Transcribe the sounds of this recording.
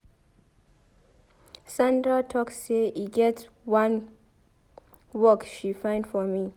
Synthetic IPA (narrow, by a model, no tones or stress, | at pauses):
sãndɹatʰɔkseiɡɛt | wãn | wɔkʃifãɪ̃ndfɔmi